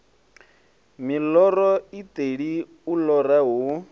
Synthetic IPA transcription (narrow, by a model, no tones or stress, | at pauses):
milɔrɔitʼeɺi | ulɔraɦu